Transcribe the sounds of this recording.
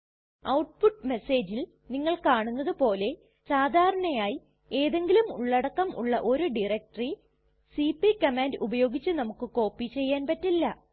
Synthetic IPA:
ɐwʈ̚puʈːme̞se̞ːd͡ʑil | niŋːɐɭkaːɳunːɐðɨpo̞ːle̞ | saːd̪ʱaːɾɐɳɐjaːji | e̞ːðe̞ŋɡilumuɭːɐɽɐkːɐmʔṵɭːɐʔo̞ɾuɖirek̚ʈɐri | sipikɐmaːndubɐjo̞ːɡit͡ɕːɨnɐmukːɨko̞ːpːit͡ɕe̞jːaːnpɐtːilːɐ

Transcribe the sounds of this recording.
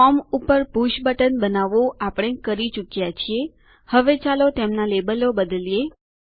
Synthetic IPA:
ɔmupəɾpuʃbəʈənbənaʋoʔapəɽ̃ekəɾit͡ʃukjat͡ʃʰie | həʋet͡ʃalot̪emnalebəlobəd̪əlije

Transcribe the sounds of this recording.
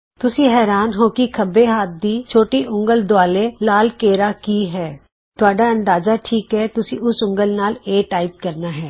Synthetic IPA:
t̪ʊsĩɦɛːɾaːnɦoːkikʰəbeɦaːt̪̚d̪it͡ʃʰoːʈiʔʊ̃ŋɡəld̪ʊaːlelaːlkeːɾakiɦɛː | t̪ʊaːɖaɐ̃nd̪aːzaʈʰiːkɦɛːt̪ʊsiʊsʊ̃ŋɡəlnaːleːʈaːɪp̚kɐɾnaːɦɛː

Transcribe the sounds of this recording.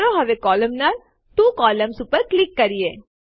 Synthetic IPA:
ɾoɦɐʋekɔːləmnaːl | t̪ũːkɔːləmsʊpːəɾklɪkːɐɾijeː

